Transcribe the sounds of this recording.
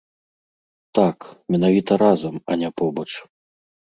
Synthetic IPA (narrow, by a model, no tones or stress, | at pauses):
t̪akmʲɛnavʲit̪ɐɾazɐmɐ̰nʲapɔbɐt͡ʂ